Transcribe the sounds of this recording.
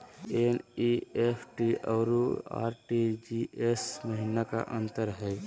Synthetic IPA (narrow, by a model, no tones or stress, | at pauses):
eniepʰʈiʔə̰ːɾua̰ːɾʈid͡ʒiesməɦinaka̰ʔə̃nt̪əɾɦɛ